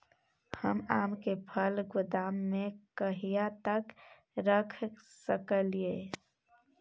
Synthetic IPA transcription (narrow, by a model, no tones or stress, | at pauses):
həmaːmkepʰəlɡʊd̪aːmːẽkəɦijat̪ək | ɾəkʰsəkəlie